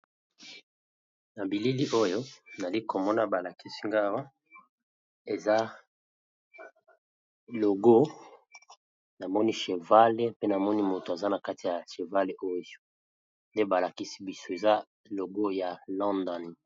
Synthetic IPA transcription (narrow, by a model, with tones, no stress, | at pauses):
na˨bi˨li˦li˦ʔo˦jo˦na˨li˦ko˨mɔ˦na˦ba˨la˨ki˦si˦ŋɡa˦˨wa˦ | e˨za˦ | lo˨ɡo˦ | na˨mɔ˦ni˦ʃe˨va˦le˦pe˦na˨mɔ˦ni˦mo˨to˨a˨za˦na˨ka˦ti˨ja˨ʃe˨va˦le˨ʔo˦j | nde˦ba˨la˨ki˦si̥˦bi˨so˦e˨za˦ | lo˨ɡo˦ja˨lɔ̃˦ndɔ˦˨n˨